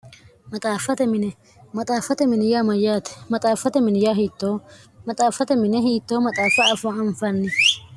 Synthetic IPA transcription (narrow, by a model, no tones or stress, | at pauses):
mɐt̪ʼaːfɐt̪ɛmɪnɛ | mɐt̪ʼaːfɐt̪ɛmɪnɪjaːmɐjaːt̪ɛ̥mɐt̪ʼaːfːɐt̪ɛmɪnɪjaːɦiːt̪ːoː | mɐt̪ʼaːfɐt̪ɛmɪnɛɦiːt̪ːoːmɐt̪ʼaːfɐːfoɐɱfɐnːɪ